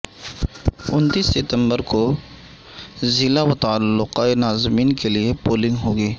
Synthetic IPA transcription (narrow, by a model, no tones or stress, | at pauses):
ʊnt̪iːsːɪt̪ə̃mbəɾko | zɪlaʋɐt̪alːʊqaenaːzmiːnkeliepoːlɪ̃ŋɡɦoːɡeː